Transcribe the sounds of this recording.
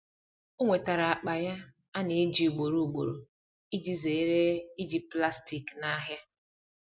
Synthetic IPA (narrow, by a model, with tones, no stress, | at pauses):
o˦ŋʷe˨ta˨ɾa˨a˨k͡pa˨ja˦ | a˦ne˨˦d͡ʒi˨u˨ɡ͡bo˨ɾu˨u˨ɡ͡bo̰˨ɾo̰˨ | i˦d͡ʒi˦ze˨˦ɾe˦i˦d͡ʒi˦pla˦sti˨kna˦ɦja˦